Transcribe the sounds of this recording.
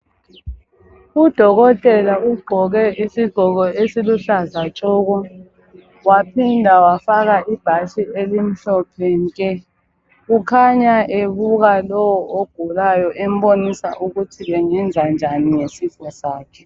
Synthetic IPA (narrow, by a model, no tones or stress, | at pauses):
ud̥ʱɔɣɔtʼɛlauɡ͡ǃʱɔɣɛʔisiɡ͡ǃ̥ʱɔɣɔesiluɬazat͡ʃʼɔːɣɔ | wapʰindʱawafaɣaʔib̥ʱaʃielim̩ɬɔpʰɛŋkʼɛ | ɣukʰaɲaʔeβuɣalɔwɔoɡ̥ʱulajɔʔɛm̩bonisa̰ʔuɣutʰiβɛŋɛnd͡zʱand͡ʒʱanijesifɔsaːkʰɛ̥